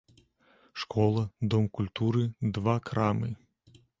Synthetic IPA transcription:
ʂkɔlˠɐd̪ɔmkulʲt̪uɾɨd̪vakɾamɨ

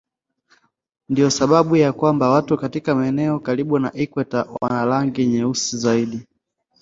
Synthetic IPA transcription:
ndijɔsaɓaɓujakwambawatukatikamaɛnɛɔkaliɓunaʔikwɛtawa̰nalaŋɡiɲɛusizaiɗi

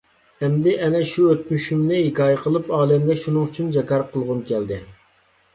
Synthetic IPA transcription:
ɛmd̪ɪʔɛnɛʃuøt̪̚myʃymnɪhekɑːjɛqʰəlˠɨpɑːlɛmd̪ɛʃunɨŋyt͡ʃʰynd͡ʒɑkɑɾqʰəlˠʁʊmkʲɛld̪ɪ

